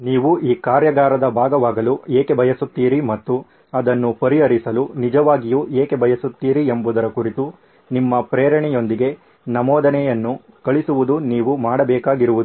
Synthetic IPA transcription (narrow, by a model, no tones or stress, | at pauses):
niːʋuʔiːkaːɾjɐɡaːɾɐd̪ɐbʱaːɡɐʋaːɡɐlueːkebʱɐjɐsut̪ːiːɾimɐt̪ːu | ɐd̪ɐnːupɐɾiɐɾisɐlunid͡ʒɐʋaːɡijuʔeːkebʱɐjɐsut̪ːiːɾiembud̪ɐɾɐkuɾit̪u | nimːɐpɾeːɾɐɳɛjo̞nd̪iɡe̞ | nɐmɔːd̪ɐnɛjɐnːu | kɐɭisuʋud̪uniːʋumaːɽɐbɛːkaːɡiɾuʋud̪u